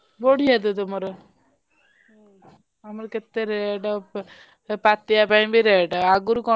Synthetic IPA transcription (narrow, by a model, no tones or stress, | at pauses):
boɽʱijat̪̬ut̪ɔmɔɾ | amɔɾket̪ːeɾeʈɔ | pat̪ːijapaj̃biɾeʈaɡuɾkɔ